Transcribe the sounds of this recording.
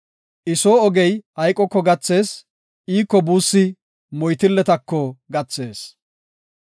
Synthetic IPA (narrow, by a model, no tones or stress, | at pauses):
ʔɪsoːɔɡɛjhɐjkʼːɔkːɔɡɐt͡sːe̞ːs | ʔiːkːɔbuːsːɪ | mɔjt̪ɪlːɛt̪ɐkːɔɡɐt͡sːe̞ːs